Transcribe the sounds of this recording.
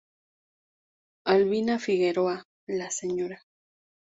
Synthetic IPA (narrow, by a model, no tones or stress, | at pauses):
alβinafiɣeɾoa | laseɲoɾa